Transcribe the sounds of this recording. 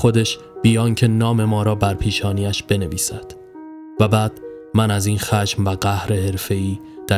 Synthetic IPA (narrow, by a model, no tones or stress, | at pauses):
xo̞d̪e̞ʃ | b̥ijɒːŋcʰe̞nɒːme̞mɒːɾɒːbæɾpʰiːʃɒːniːæʃb̥e̞ne̞viːsæd̪̥ | væbæːd̪̥ | mænæziːnxæʃmvæɣæhɾe̞he̞ɾfe̞iː | d̪̥æ